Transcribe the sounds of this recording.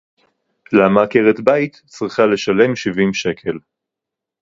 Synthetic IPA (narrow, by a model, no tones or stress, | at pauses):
lamakeʁet̪bait̪ | t͡sʁiχale̞ʃale̞mʃivimʃe̞kʰe̞l